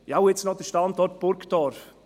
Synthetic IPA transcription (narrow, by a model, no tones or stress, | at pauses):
awet͡snɔd̥əʃtɑndɔt̚b̥ʊɾktɑːɾ